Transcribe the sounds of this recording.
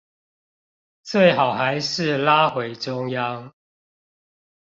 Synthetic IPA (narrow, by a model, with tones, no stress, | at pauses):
t͡swe˥˨ɪxɑ˨˩ʊxa˨˦ɪʂɻ̩˥˨la˦xwe˨˦ɪʈ͡ʂʊ˦ŋja˦ŋ